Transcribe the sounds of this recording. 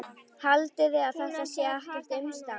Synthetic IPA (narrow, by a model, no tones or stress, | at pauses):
halt̪ɪðɪaðθɛt̪ːasjɛahtɪft̪ʏmst̪a